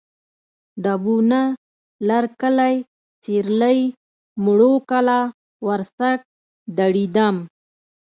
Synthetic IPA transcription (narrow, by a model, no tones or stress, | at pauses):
ɖabuna | laɾkəlaj | t͡seɾləj | mʊɽokala | waɾsak̚ | d̪aɽid̪am